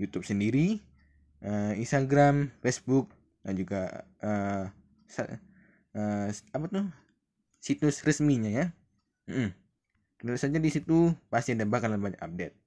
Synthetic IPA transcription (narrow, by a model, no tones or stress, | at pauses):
jut̪ʊp̚səndiɾi | ʔəinst̪aɡɾamfesbʊk̚ | dand͡ʒuɡaʔə | sa̰ | əapat̪ʊ | sit̪ʊsrəsmiɲaja | ʔm̩ | kənəlusad͡ʒadisit̪upast̪iandɛmbakanlanbaɲa̰ka̰p̚det̪̚